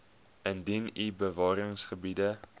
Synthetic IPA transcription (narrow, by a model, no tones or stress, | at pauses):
əndinibəvɑːɾəŋsχəbidə